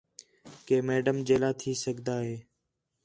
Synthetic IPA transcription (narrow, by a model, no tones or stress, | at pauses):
keːmeːɖəmd͡ʒeːlaːt̪ʰiːsəɡd̪aːɦeː